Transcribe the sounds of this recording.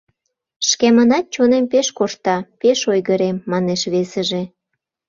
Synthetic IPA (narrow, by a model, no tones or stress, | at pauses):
ʃkemənɑt̪̚t͡ɕonempeʃkoʃt̪ɑpeʃojɣəɾemːɑneʃβesəʒe